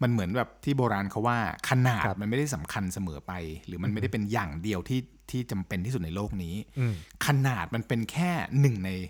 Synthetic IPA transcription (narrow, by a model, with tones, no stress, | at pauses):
ma˧nmɯ˩˦ənbɛː˨˩p̚t̪ʰiː˥˩boː˧ɾaː˧nkʰa˦˥waː˥˩kʰa˧naː˨˩t̪̚ma˧nma˥˩jda˥˩jsa˩˦mkʰa˧nsa˧mɤː˩˦pa˧jɾɯː˩˦ma˧nma˥˩jda˥˩pe˧njaː˨˩ŋdi˧əwt̪ʰiː˥˩ | t̪ʰiː˥˩t͡ɕa˧mpe˧nt̪ʰiː˥˩u˨˩t̪̚na˧jloː˥˩k̚niː˦˥kʰa˧naː˨˩t̪̚ma˧npe˧nkʰɛː˥˩nɯ˨˩ŋna˧j